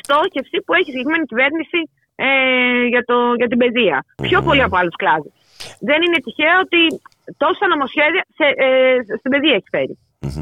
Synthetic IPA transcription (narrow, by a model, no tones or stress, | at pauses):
st̪o̞çe̞fsipue̞çisʝekɾime̞nicive̞ɾnisi | eʝɐt̪oʝɐt̪̬ibe̞ðiɐpço̞po̞liɐpoɐlusklɐðus | ðe̞ninet̪içeɐo̞t̪i | t̪o̞sɐno̞mo̞sçe̞ðiɐsest̪ibe̞ðiɐeçi̥fe̞̰ɾḭ